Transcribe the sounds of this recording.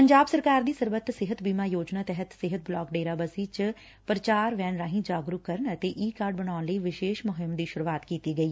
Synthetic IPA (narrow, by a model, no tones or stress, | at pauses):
pəɲd͡ʒaːbsəɾkaːɾd̪iːsəɾbət̪sɪɦət̪biːmaːjoːd͡ʒnaːt̪ɛɦət̪sɪɦət̪̚blɔːkɖeːɾaːbəsiːt͡ʃ | pɾət͡ʃaːɾʋɛːnɾaːɦĩd͡ʒaːɡɾʊkːəɾənət̪eːʔiːkaːɾɖbəɽaːʊnləiːʋɪʃeːʃmʊɦɪmd̪iːʃʊɾuaːt̪kiːt̪iːɡəiː